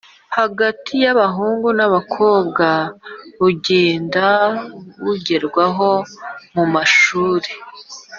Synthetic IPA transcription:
haɡatʰijaβaɦuːŋɡunaβakʰo̞ːbɡaβuɟeːndaβuɟeɾɡwaɦo̞mumaʃuːɾe

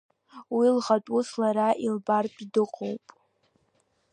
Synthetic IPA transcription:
wilʁatʼuslaɾaʔilbarpʼidɨqʼowpʼ

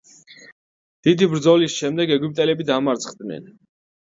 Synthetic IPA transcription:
d̪̥id̪ibɾd̪zɔlisʃɛmd̪ɛɡɛɡwyp̚t̪ʼɛlɛbid̪amaɾt̪sʰʼχd̪nɛ̰n

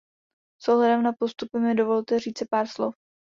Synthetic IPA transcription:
soɦlɛdɛmnapost̪upɪmɪdovo̞lt̪ɛriːt͡sɪpaːɾslof

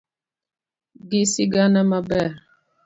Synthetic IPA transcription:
ɡisiɡanəmabɛɾ

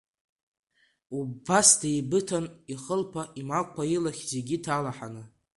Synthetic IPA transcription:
ubasdajbɨtʰaniχəlpʰaʔimakʷkʷʰailaχʲze̞ɡʲitʰalaħanɨ

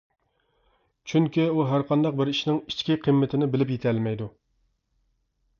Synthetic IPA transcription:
t͡ʃʰyŋkʲiuɦæɾqʰɑnd̪ɑq̚bɪɾiʃnɪŋi̥t͡ʃkʲiqʰɨmːɪt̪ʰɪnɪbɪlɪpjet̪ʰɛlmɛjd̪u

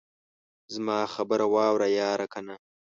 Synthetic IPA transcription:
zmɑːxabəɾawɑːwɾajɑːɾakʰana

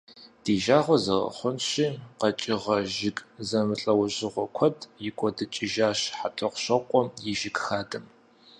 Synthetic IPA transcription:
d̥iːʒaːʁʷɔzɐʁɐ̰χʷʊnɕiːqɐt͡ʃʼɪʁɐʒɪkʼzɐmɨɬʼɐwʊʑɪʁʷɔkʷʰɔdʰʼjɪkʷʼɔdɨt͡ʃʼɪʒaːɕħatʰʼɐqʷɕɐqʷʼɔjɪʒɪkʼxaːdɨm

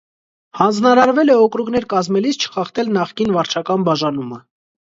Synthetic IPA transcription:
hɑnd͡znɑɾɑɾvɛlɛɔkɾukn̪ɛɾkɑzmɛlist͡ʃʰə̥χɑχt̪ɛlnɑχkinvɑɾt͡ʃʰɑkɑnbɑʒɑnumə

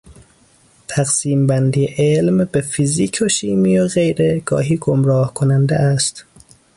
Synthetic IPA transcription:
t̪ʰæɣsiːmbænd̪iːeʔelmbefiziːkʰoʃiːmijoɣe̞jɾeɡ̥ɒ̰ːɦiːɡomɾɒːhkʰonænd̪ḛʔæst̪

